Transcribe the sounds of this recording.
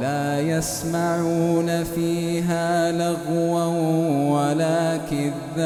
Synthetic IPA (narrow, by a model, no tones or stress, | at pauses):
laːjasmaʕuːnafiːɦaːlaɣwanwalaːkɪða